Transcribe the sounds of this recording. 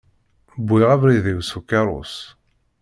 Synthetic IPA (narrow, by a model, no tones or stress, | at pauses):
bːujʁævɾiðiwsukːɑɾˤʊ̰s